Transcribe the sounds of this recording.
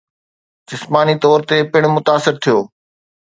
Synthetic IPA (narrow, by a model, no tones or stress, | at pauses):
d͡ʑɪsmaːnit̪ɔːɾt̪epɪɽ̃mʊt̪aːsɪɾt̪ʰijoː